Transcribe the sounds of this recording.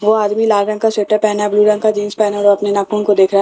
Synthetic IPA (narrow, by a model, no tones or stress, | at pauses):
ʋoaːd̪milaːɾɾɐ̃ŋkaseːʈəɾpɛɦnabluːɾɐ̃ŋɡkad͡ʒiːnspɛɦnaɾɔːɐpnenaːkuːnkod̪eːkʰɾaɦ